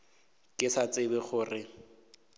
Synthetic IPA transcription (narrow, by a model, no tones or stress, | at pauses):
kʼɪsat͡sʼɪbɛχʊːrɪ